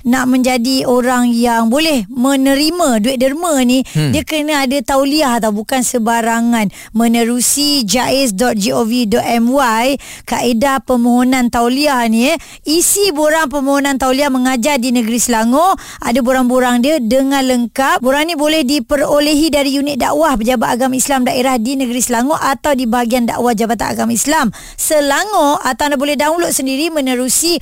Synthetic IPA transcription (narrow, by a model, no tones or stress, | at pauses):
naʔmə̃ɲd͡ʒadioɾaŋjaŋbolɛhmə̃nəɾimə̃duɪt̪̚dərmə̃nidiəkɾənəadat̪awliahat̪awbukansəbaɾaŋãn | mə̃nə̃ɾusid͡ʒaʔɛs̬dɔt̪̚d͡ʒiovidɔt̪ɛmwaj | kaʔedapəmõɦonãnt̪awliahni | isiboɾaŋp̬əmõɦonant̪awliahməŋad͡ʒardinəɡəɾisəlaŋɔʔ | ʔadaboɾaŋboɾaŋdiədəŋãnləŋkaʔ̚boɾaŋnĩbolɛhdipəɾoləɦidaɾijunɪt̪̚da̰ʔwahpəd͡ʒabat̪aɡamaislamdaʔeɾahdinəɡəɾisəlaŋɔʔat̪awdibaɦaɡianda̰ʔwahd͡ʒabat̪a̰na̰ɡamaislam | səlaŋɔʔat̪awnabolɛhdaŋuloʔsəndiɾimə̃nəɾusi